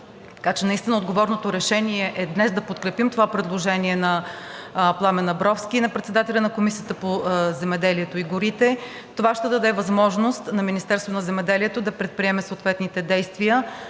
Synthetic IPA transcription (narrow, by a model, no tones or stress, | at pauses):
t̪ɐ̥kat͡ʃɛnɐist̪inəod̪ɡovɔɾnot̪oɾɛʃɛniɛʔɛd̪nɛsd̪ɐpot̪kɾɛpimt̪ovapɾɛd̪lˠoʒɛniɛnɐ | plˠamɛnɐbɾɔfsk̟inɐpɾɛt̪sɛd̪at̪ɛlʲɐnɐkomisijət̪əpozɛmɛd̪ɛliɛt̪oiɡʊɾit̪ɛ | t̪ovaʃt̪ɛd̪ɐd̪ɛvɐzmɔʒnost̪nɐminist̪ɛɾst̪voonɐzɛmɛd̪ɛliɛt̪od̪ɐpɾɛt̪̚pɾiɛmɛsot̪vɛt̪nit̪ɛd̪ɛjst̪vijə